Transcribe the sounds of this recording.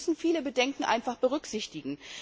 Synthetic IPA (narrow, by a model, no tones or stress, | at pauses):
sn̩fiːləbədɛŋkŋ̩ʔa̰ɪnfaχb̥əʁ̞ʏkz̥ɪçtɪɡŋ̩